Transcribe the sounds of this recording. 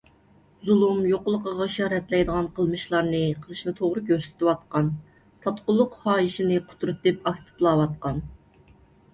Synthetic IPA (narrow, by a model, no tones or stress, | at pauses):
zulˠumjoqʊlˠəqəʁɑʃɑːɾɛt̪lɛjd̪əʁɑnqʰəlˠmɨʃlˠɑɾnɨqʰəlˠɨʃnɨt̪ʰoʁɾɨɡʲøɾsy̥t̪ɪwɑt̪qɑn | sɑt̪qʊlˠːʊqhɑːjiʃinɨqʰʊ̥t̪ʰɾɨt̪ːɨpɑkʲt̪ʰɨ̥plˠɑːwɑt̪̚qɑn